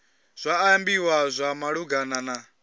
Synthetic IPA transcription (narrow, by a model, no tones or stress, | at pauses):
z̥ʷaːmbiwazʷamaɺuɡanana